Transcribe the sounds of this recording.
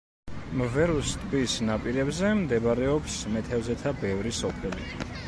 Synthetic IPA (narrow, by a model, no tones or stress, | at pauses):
mvɛɾust̪ʼbisnapʼiɾɛbzɛmd̪ɛbaɾɛɔpsmɛt̪ʰɛvzɛt̪ʰabɛvɾisɔpʰɛlḭ